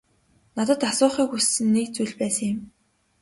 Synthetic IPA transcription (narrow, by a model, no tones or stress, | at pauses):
nat̪ə̆t̪asʊːχiːkusːɘ̆nːikt͡sujɮpæːsə̆ŋjɪ̆m